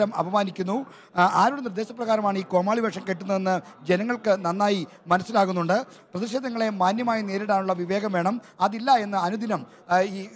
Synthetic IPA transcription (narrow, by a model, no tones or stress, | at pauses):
ɐmɐ̰ʋɐmaːnikʲːunːu | aːɾuɽenird̪eːɕɐprɐɣaːɾɐmaːɳiːko̞ːmaːɭibɐkʂɐmke̞ʈːunːɐðe̞nːɨ | d͡ʑe̞nɐŋːɐɭkɨnɐnːaːji | mɐnɐsːilaːɣunːuɳɖɨ | prɐðiɕe̞ːd̪ʱːɐŋːɐɭe̞maːnjɐmaːjine̞ːɾiɽaːnuɭːɐʋiʋe̞ːɡɐmʋe̞ːɳɐmɐðilːɐe̞nːɨɐnud̪ʱinɐm | iː